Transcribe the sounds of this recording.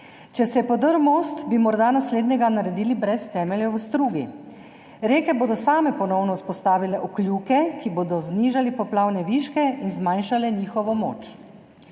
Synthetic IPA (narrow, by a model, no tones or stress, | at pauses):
t͡ʃɛsɛjɛpɔd̪əɾmost̪bimɔɾd̪anasleːd̪nɛɡanaɾɛd̪iːlibɾɛst̪ɛːmɛljɛwst̪ɾuːɡi | ɾeːkɛboːd̪ɔsaːmɛpɔnɔwnɔwspɔst̪aːʋilɛʔɔklʲjukɛkiboːd̪ɔzniːʒalipɔplawnɛʋiːʃkɛinzmajnʃalɛniːxɔʋɔmo̰ːt͡ʃ